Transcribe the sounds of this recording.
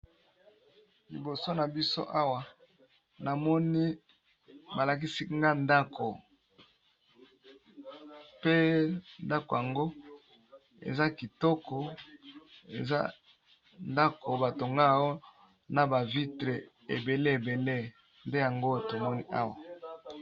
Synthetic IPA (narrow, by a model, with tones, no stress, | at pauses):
li˨bo˨so˦na˨bi˦so̰˦ʔa˦wa˨ | na˨mɔ˦ni˦ | ba˨la˨k̬i˦si˦ŋɡa˦nda˦kʰo˨ | pe˦nda˦ko˨ja˨ŋɡo˦ | ḛ˨za˦ki˨tɔ˦kɔ˨ | e˨za̰˦ | nda˦ko˨ba˨to˨ŋɡa˦˨o˦ | na˨ba˨vi˦tʁe˨ | e˨be˨le˦e˨be˨le˦ | nde˦ja˨ŋɡo˦to˨mɔ˦ni˦ʔa˦wa˨